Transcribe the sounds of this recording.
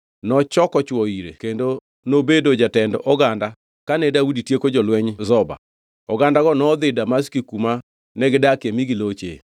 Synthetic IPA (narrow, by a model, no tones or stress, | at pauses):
nɔt͡ʃɔkɔt͡ʃwɔiɾḛkendo | nobedod͡ʒatɛndɔʔɔɡanda | kanɛdauditjekod͡ʒɔlwɛɲzɔba̰ | ɔɡandaɡɔnɔd̪ɪdamaskikuma | nɛɡɪdakemiɡɪlot͡ʃḛ